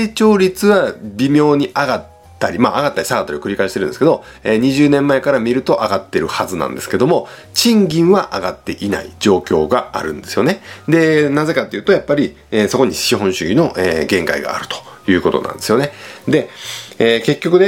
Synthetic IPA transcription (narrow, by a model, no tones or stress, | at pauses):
et͡ɕo̞ːɾʲit͡sɨβabʲimʲjo̞ːɲ̟iʔaɡat̪ː | aɾʲimaːɡat̪ːaɾʲi̥saɡat̪ːaɾiakɯɾʲikaiɕit̪eɾɯ̟nskeo̞ | eːɲ̟iʑɨːnẽ̞mːae̞kaɾamʲiɾɯ̟t̪o̞ʔaɡat̪ːe̞ɾɯ̟hazɨnã̰nd̪e̞sɨ̥ke̞d̪o̞mo̞ | t͡ɕĩŋɡʲĩɰ̃βaʔaɡat̪ːe̞ʔina̰ḭd͡ʑo̞ːkʲo̞ːɡaa̰ɾɯ̟̃nd̪e̞sɨjo̞ne̞d̪e̞naze̞kat̪ːe̞jɯːt̪o̞japːaɾʲi | eːso̞ko̞ɲ̟iɕiɦõ̞ɰ̃ɕɨɡʲino̞ʔeɡẽ̞ŋkaḭɡa̰ːɾɯ̟̥t̪o̥jɯ̟ːko̞t̪o̞̰nã̰nd̪e̞sɨjo̞ne̞d̪e̞eke̞kʲːo̞kɯ̟ne